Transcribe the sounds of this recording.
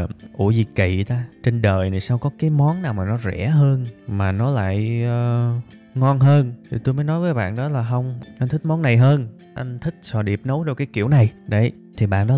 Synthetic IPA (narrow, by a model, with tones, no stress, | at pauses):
ʔu˧˩zi˨˩kḭ˧˨t̪aː˧t͡ɕe˧nɗəː˨˩jna˨˩saː˧wkɔ˨˦kaː˨˦jmɔ˨˦nnaː˨˩wmaː˨˩nɔ˨˦zɛ̰˧˩˥ɦəː˧nmaː˨˩nɔ˨˦la̰ː˧˨j | ŋɔ˧nɦəː˧nt̪ʰi˨˩t̪o˧jməː˨˦jnɔ˨˦jvəː˨˦jɓa̰ː˧˨nɗɔ˨˦laː˨˩ɦə˧wŋ͡mʔa˧n̟t̪ʰi˦˥k̚mɔ˨˦nːa˨˩jɦəː˧n | ʔa˧ŋ̟t̪ʰï˦˥k̚sɔ˧˩ɗi˨˩əp̚nə˨˦wɗo˧˩kaː˨˦jkḭ˧˨əwna˨˩jɗə˧˩j | t̪ʰi˨˩ɓa̰ː˧˨nɗɔ˨˦